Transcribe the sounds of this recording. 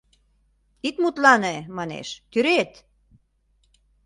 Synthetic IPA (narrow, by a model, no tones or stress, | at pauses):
it̪mut̪lɑnemɑnḛʃt̪yɾet̪